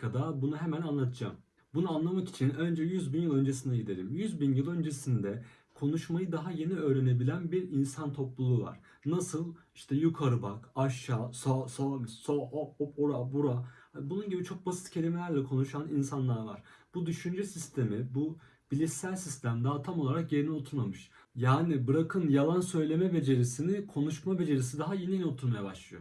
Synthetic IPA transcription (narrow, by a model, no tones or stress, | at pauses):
kad̪abunuɦe̞mænanlˠat̪ʰɯd͡ʒa̰m | bunuanlˠamaki̥t͡ʃʰinø̞nd͡ʒɛjyzbinjɯlˠø̞nd͡ʒesind̪ɛɟid̪e̞ɾimjyzbinjɯlˠø̞nd͡ʒe̞sind̪ɛ | kʰo̞nuʃmajɯd̪aɦaje̞niø̞ːɾe̞ne̞bilʲænbiɾinsant̪ʰo̞plˠulˠuːva̰ɾ̥ | nasɯlˠ | iʃt̪ʰɛjukʰaɾɯbakaʃːaːsasamissooopoɾabuɾaabununɟibit͡ʃʰo̞k̚basi̥t̪̚cʰe̞lʲimelʲæɾlʲɛkʰo̞nuʃaninsanlˠaɾva̰ɾ̥b̥ud̪yʃynd͡ʒɛsist̪ʰe̞mibu | b̥ilʲisælʲsist̪ʰæmd̪at̪ʰamo̞lˠaɾakje̞ɾinɛot̪ʰunamɯʃ | jaːnibɯɾakʰɯnjalˠansø̞jlʲe̞mɛbe̞d͡ʒe̞ɾisinikʰo̞nuʃmabe̞d͡ʒe̞ɾis̬id̪aɦajenijnio̞t̪ʰuɾmajaba̰ʃlˠɯjo̰